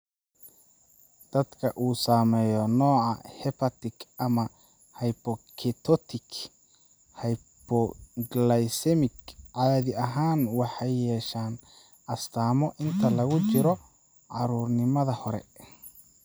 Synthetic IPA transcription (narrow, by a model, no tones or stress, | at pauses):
d̪̥ɐd̪kʰɐʔuːsaːmɛjɔnɔːʕɑhɛpʰɐt̪ɪkʰʔɐmɐ | hɐjpɔkʰɛt̪ʰɔt̪ʰɪk | hɐj | pɔɡlɐjsɛmɪkʕɑðɪɐɦaːnwɑħɑjːɛːʃaːn | ɐst̪ʰaːmɔʔɪnt̪ʰɐlɐɣʊt͡ʃɪɾɔ | ʕɑɾuːrnɪmɐðɐhɔɾɛ̰